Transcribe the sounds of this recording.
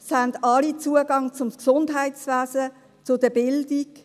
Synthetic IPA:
shandɑlit͡suəɡɑŋt͡sʊmksʊndɦaɪtt͡svæːzə | t͡sʊdəbɪldik

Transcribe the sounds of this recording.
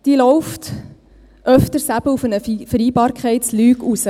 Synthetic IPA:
d̥iːlɔwft | ʔœftəɾsæbəufənəfəɾiːbɑːɾkχɛɪtslyːɡusə

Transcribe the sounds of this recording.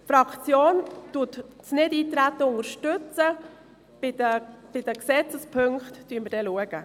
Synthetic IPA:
fɾɑkʰt͡sjoːntutsnɪdiːt̪ɾæt̪ːəʊŋəɾʃtʏt͡sə | bɪdəb̥ɪd̥əksɛt͡səspʰɵŋkχtːyənməd̥ɛluəɡ̥ə

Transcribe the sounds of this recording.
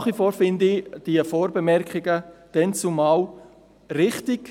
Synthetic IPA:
χʋifoːɾfɪndid̥iəfoːɾbəmɛɾkχɪɡəd̥ɛnt͡sʊmaʊ | rɪχtɪɡ

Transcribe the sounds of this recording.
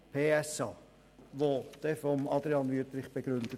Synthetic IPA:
pʰeːɛsɑː | ʋod̪̥ɛfɔmɑd̪ɾiɑnʋyət̪ɾɪχb̥eɡ̥ɾʏndə

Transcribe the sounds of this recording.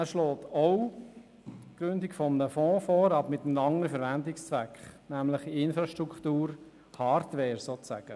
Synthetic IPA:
æːʃlɔːt̪ɔʊ | kɾʏndɪkfɔmənəfɔ̃ːfɔːɾɑbmɪt̪əm̩ɑŋənəfɛɾʋændɪkst͡sʋækχnæmləχiɪnfɾɑʃtɾukχtuːɾ | hɑːɾtʋɛːɾsoːæ̰ɡ̥ə

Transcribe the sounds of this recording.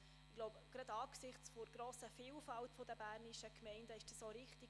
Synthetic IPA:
ɪɡloʊbɡ̥ɾɑd̪ɑːksɪχt͡sfoɾɡ̥ɾoːsəfiːlfɑltfodəbæːɾniʃəkmɛɪndəɪʃd̥ɑsoɾɪχtiɡ

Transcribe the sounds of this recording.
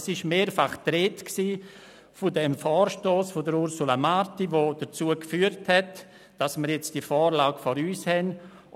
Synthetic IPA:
sɪʃmeːɾfaχtɾeːtksiː | fʊdɛmfɔːɾʃtoːsfʊdəɾʊɾsulamaɾtiʋod̥əɾt͡suəkfyːəɾthɛt | d̥asməɾjɛt͡sd̥ifɔːɾlaːɡfɔɾyːshɛn

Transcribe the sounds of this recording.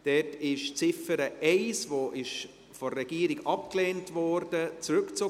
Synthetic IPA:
d̥ɛtɪʃt͡sɪfəɾəʔɛɪsvoʔɪʃ | fɔrɛɡ̥iːɾiɡɑpkleːntvɔɾd̥ət͡sɾʉkt͡so

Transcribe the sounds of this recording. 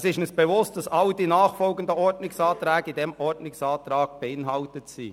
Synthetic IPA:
sɪʃnəsb̥evʊst̚d̥ɑsɑldinɑːχfɔlɡəndəɔɾdnɪksɑːt̪ɾɛːɡəidɛmɔɾdnɪksɑːt̪ɾɑːɡ̚b̥eɪnɦɑltətsḭː

